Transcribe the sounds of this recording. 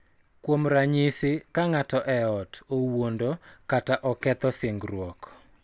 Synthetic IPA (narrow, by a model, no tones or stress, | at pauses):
kwomɾaɲɪsɪkaŋatɔʔɛɔtowondokataʔɔkɛt̪ɔseŋɡrwɔk